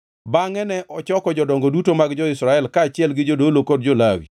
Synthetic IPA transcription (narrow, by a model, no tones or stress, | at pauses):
baŋɛnɛʔɔt͡ʃɔkɔd͡ʒɔdɔŋɡɔdutomaɡd͡ʒɔɪsɾaɛlkaːt͡ʃɪɛlɡɪd͡ʒodolokod̚d͡ʒolawḭ